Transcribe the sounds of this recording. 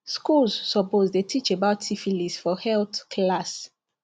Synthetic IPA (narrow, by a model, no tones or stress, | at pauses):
skulzːɔpozdetʰit͡ʃebaʊtsifilisfɔhɛlθkʰlas